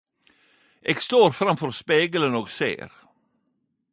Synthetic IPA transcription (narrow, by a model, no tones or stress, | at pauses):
ʔɛkst̪oːɾfɾamfœɾspeːɡələnɔɡsḛːɾ